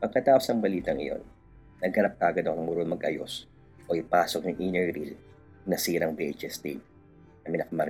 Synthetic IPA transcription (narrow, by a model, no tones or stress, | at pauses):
pɐɡ̚kɐt̪aːʔosnɐŋbɐliːt̪ɐŋɪ̰jo̞̰nː | ɐɡ̚hɐnɐp̚t̪aːɡɐd̪ɐkoŋmʊɾonmɐɡʔɐ̰jo̞̰s | ʔo̞ʔɪpaːsok̚nɐŋʔinɛɹɾil | nɐsiːɾɐŋbiʔet͡ʃɛst̪ed̪̚ | nɐmɪnɐkɐmɐɾ